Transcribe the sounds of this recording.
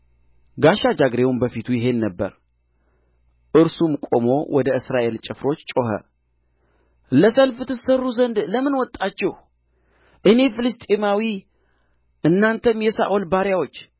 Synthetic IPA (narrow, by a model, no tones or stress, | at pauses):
ɡaʃad͡ʒaɡɾe̞wumbəfit̪ʰujɪɦe̞nːəbːə̰ɾ | ʔɨɾsumkʼo̞mo̞̰wɔd̪əʔɨsɾaʔe̞lt͡ʃʼɪfɾo̞t͡ʃːt͡ʃʼo̞ɦə̰ | ləsəlft̪ʰɨsərːuzənd̪ləmɨnwɔt̪ʼːat͡ʃːɛh | ʔɨne̞fɨlɨst̪ʼemawi | ʔɨnːant̪ʰəmjɛsa̰ʔo̞lbaɾjawo̞t͡ʃː